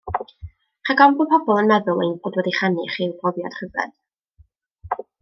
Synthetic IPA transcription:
χaɡɔmbɔpʰɔbɔlˠənmɛðʊlˠḛjnədwɛdiχaniχiːbɔvja̰d̥χəvrɛ̰d̥

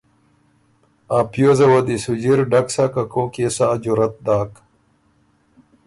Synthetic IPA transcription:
aːpjozɐwɐd̪isud͡ʑiɾɖɐksakɐkoːkeːsaːd͡ʑuɾɐt̪̚d̪aːk

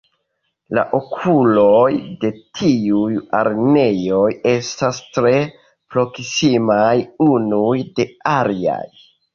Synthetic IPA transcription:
la̰ʔo̞kʰulo̞jde̞tʰiuja̰ɾne̞jo̞je̞stastɾe̞ | pɾo̞ksimajunujde̞alia̰j

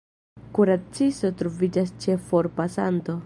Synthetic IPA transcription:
kuɾat͡siso̞tɾo̞vid͡ʒast͡ʃe̞fo̞ɾpasa̰nto̞

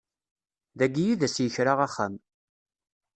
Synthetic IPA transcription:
ðæɡijiðæsjəçɾaʁaχːam

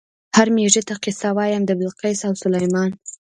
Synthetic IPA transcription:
haɾmeʐet̪aqɪsawɑjamd̪əbɪlqajsawsʊlajmɑn

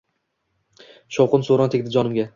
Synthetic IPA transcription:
ʃowqɨnsoɾɒnt̪ʰekʲd̪ɪd͡ʒɒnɪmɡʲa

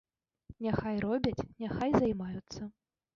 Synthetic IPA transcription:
nʲaxajrɔbʲɐt͡sʲnʲaxajzɐjmajut̪sːɐ

